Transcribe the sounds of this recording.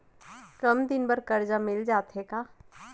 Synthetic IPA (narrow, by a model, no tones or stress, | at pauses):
kɐmd̪ɪnbɐɾkɐɾd͡ʒamɪld͡ʒaːt̪ɦekaː